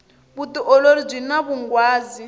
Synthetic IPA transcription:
βutiʔɔloɾib͡ʐʷinaβuŋɡwaːzi

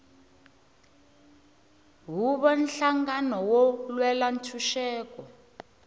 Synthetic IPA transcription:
ɦuɓɔnɬaŋɡanɔwɔlwɛlantʰuʃɛːk̬ɔ

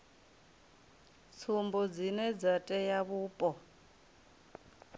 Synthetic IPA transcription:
t͡sʰumbɔd͡zinɛd͡zatʼɛjaβuːpʼɔ

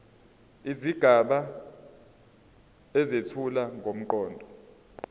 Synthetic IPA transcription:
iziɡ̥ʱaɓa | ɛzetʰulaŋʱom̩ǃɔːndʱɔ

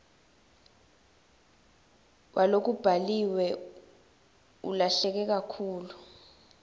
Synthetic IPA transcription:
wʔalok̬ub̥ʱaliwɛ | ṵlaɬɛk̬ɛk̬akʰuːlu

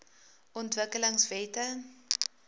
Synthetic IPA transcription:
ʔɔntvəkələŋsvɛːtə

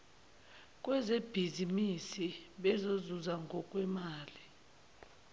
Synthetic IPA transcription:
kʼwɛzeb̥ʱizimisiɓɛzozuzaŋɡʱɔkʼwɛmaːli

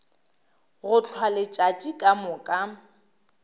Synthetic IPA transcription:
ɣʊt͡ɬʰwalɪt͡ʃʼat͡ʃʼikʼamʊkʼa

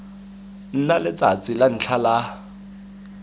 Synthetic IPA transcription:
n̩nalɪt͡sat͡sʼɪlan̩t͡ɬʰala

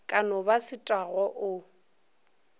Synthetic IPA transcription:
kʼanɔbasɪtʼaɣɔʔʊ

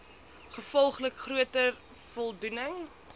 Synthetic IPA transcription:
χəfɔlˠχləkχruətər | fɔlˠdunəŋ

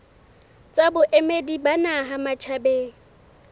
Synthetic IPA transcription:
t͡sʼabʊʔemedibanaɦamat͡ʃʰabeːŋ̩

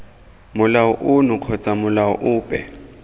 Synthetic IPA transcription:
mʊlaʊʔʊnʊq͡χʰɔt͡sʼamʊlaʊ̰ʔʊːpʼɛ̰

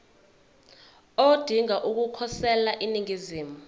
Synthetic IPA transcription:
od̥ʱiŋaʔuk̬ukʰɔsɛlaʔiniŋiziːmu

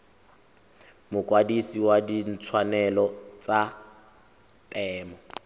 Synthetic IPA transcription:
mʊkʼwadisiwadin̩t͡sʰwanɛlɔt͡sʼa | tʼɛːmɔ

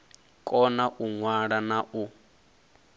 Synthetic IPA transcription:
kʼɔnaʔuŋwaɺanaʔu

